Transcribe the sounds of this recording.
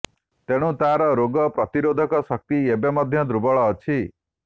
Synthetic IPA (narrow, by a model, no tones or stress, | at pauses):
t̪eɽ̃ũt̪aɾɔɾoɡɔpɾɔt̪iɾod̪ʱɔkɔsɔk̚t̪iebemɔd̪ʱjɔd̪ɾubɔɭɔːt͡ʃʰi